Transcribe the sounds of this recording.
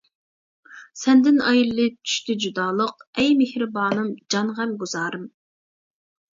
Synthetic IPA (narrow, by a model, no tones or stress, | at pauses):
sɛnd̪ɪnɑjilːɨt͡ʃʰy̥ʃt̪ɪd͡ʒud̪ɑːlˠəqɛjmehɾɪbɑːnɨmd͡ʒɑnʁɛmɡuz̥ɑːɾɨm